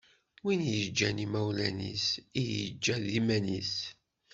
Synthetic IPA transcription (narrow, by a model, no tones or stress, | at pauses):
winjəd͡ʒːænimæwlæ̰nḭsijə̰d͡ʒːæðimænis